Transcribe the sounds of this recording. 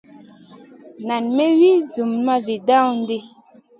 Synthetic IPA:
na˨nme˦wi˦d͡zu˨mma˦vi˨da˦˨wn˦de˦

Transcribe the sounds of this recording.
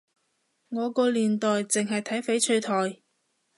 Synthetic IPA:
ŋɔː˨˧kɔː˧liː˨nt̪ɔː˨jt͡sɪ˨ŋɦɐ˨jt̪ʰɐ˨˥jfe˨˥jt͡ʃʰɵ˧ɥt̪ʰɔː˨j

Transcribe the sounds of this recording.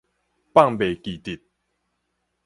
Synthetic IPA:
pa˥˨ŋbe˨˩ki˨˩t̪i˨˩t̪̚

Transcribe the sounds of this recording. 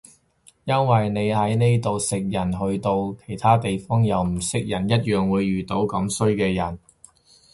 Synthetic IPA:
jɐ˥nwɐ˨jne˨˧jhɐ˨˥jne˥jt̪o˨˧wsɪ˨k̚jɐ˨˩nɦɵ˧ɥt̪o˧wkʰe˨˩jt̪ʰaː˥t̪e˨jfɔː˥ŋjɐ˨wm̩˨˩sɪ˧k̚jɐ˨˩njɐ˥t̚jœː˨ŋwuː˨˧jɥyː˨t̪o˨˥wkɐ˨˥msɵ˥ɥkɛː˧jɐ˨˩n

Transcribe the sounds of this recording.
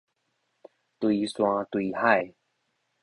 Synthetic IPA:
t̪wi˧swã˧t̪wi˧ha˥˧˩j

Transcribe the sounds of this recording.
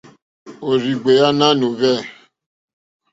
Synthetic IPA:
o˨ɾi˨ɡ͡be˨ja˦na˦nu˨vɛ˦˨

